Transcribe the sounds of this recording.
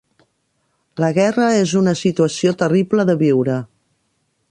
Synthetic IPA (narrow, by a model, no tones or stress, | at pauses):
ləɣɛrəezunəsit̪uəsiot̪əripləðəβiwɾə